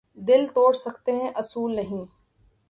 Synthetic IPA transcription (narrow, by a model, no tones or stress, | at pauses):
d̪ɪlt̪oːɽsɐkt̪eɦɛ̃ʔɐsuːlnɐɦĩː